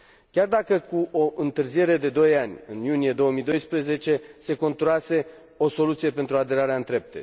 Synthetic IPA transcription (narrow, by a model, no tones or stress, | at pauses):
kʲard̪akəkuʔo̞ʔɨnt̪ɨrzije̞ɾe̞d̪e̞d̪o̞janʲɨnjunije̞d̪o̞wəmijd̪o̞jspɾeze̞t͡ʃe̞se̞ko̞nt̪ɾuase̞ | o̞so̞lut̪sije̞pe̞nt̪ɾuad̪e̞ɾaɾeaɨnt̪ɾe̞p̚t̪ḛ